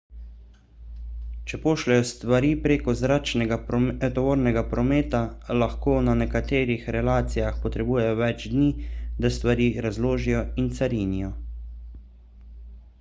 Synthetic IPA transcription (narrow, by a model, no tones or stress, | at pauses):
t͡ʃɛpoːʃlɛjɔst̪ʋaɾiːpɾeːkɔzɾaːt͡ʃnɛɡat̪ɔʋoːɾnɛɡapɾɔmeːt̪alaxkoːnanɛkat̪eːɾixɾɛlaːt̪sijaxpɔt̪ɾɛbuːjɛjɔʋɛd͡ʒd̪niːd̪ast̪ʋaɾiːɾazloːʒijɔint̪saɾiːnijɔ